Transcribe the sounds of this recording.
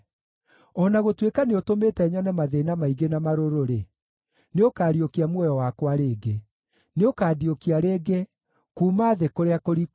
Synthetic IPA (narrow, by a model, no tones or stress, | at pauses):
ɔnaɣotwekaneotometɛɲɔnɛmaðenamaiɡenamaɾoɾoɾe | neokaːɾiokiamwɔjɔwakwaɾeːɡe | neokaːdiokiaɾeːɡe | kuːmaːðekoɾeakoɾi